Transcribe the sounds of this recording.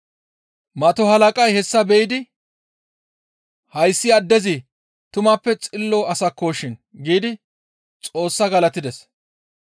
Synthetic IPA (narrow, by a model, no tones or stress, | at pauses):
mɐt̪ɔhɐlɐkʼɐjhɛsːɐbɛjɪd̪ɪ | hɐjsːɪɐd̪ːɛzɪ | t̪ʊmɐpːɛt͡sʼɪlːoːɐsɐkːoːʃɪnɡiːd̪ɪ | t͡sʼo̞ːsːɐɡɐlɐt̪ɪd̪ɛs